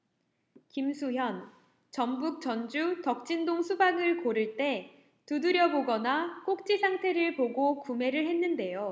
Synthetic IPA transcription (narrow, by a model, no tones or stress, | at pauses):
kimsʰuɦjʌn | t͡ɕʌmbuk̚t͡ɕʌnd͡ʑutʌk̚t͡ɕ͈indoŋsʰubaŋɯɭkoɾɯɭt͈e̞ | tudɯɾjʌboɡʌnak͈ok̚t͡ɕ͈isʰaŋtʰe̞ɾɯɭpoɡokume̞ɾɯɭhe̞nːɯnde̞jo